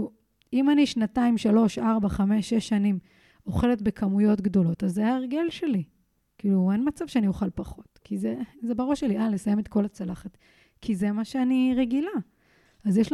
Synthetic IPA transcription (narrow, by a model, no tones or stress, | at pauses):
u | imaniʃnataimʃalo̞ʃaʁbaχame̞ʃːeʃːanim | o̞χe̞letbe̞kʰamujo̞tɡdo̞lo̞tazajaeʁɡe̞lʃe̞li | kiːluenmat͡sav̥ʃeanioχalpaχo̞tkʰizezebaʁoʃelialesaje̞met̪ko̞lat͡salaχat | kʰize̞maʃeaniʁeɡila | azjeʃ